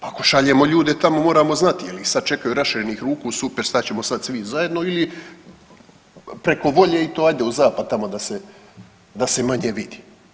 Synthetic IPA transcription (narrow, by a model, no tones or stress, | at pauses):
pakoʃaʎeːmo̞ʎuːd̪et̪amo̞moːɾaːmo̞znat̪ijelisad̪̚t͡ʃe̞kajuɾasʃiɾeniːxɾuːkusupeɾst̪at͡ɕe̞mosad̪sʋizaje̞d̪no̞ili | pɾe̞ko̞ʋo̞ʎeit̪oːaːjd̪e̞uzaːpad̪̚t̪amo̞d̪ase̞ | d̪ase̞maɲeʋid̪i̥